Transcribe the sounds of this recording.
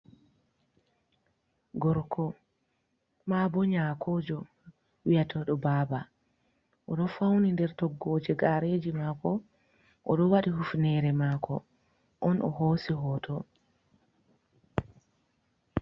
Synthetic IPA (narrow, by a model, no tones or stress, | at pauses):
ɡɔɾkʰɔ | mabɔɲakʰɔːd͡ʒɔ | wijatʰɔɗɔbaba | ʔɔɗɔfawnindɛɾtɔɡːɔːd͡ʒɛɡaɾed͡ʒimaːkɔ | ʔɔɗɔwaɗihufnɛɾɛmakɔ̰ | ʔɔnʔɔ̰ɦoːsiɦɔːtʰɔ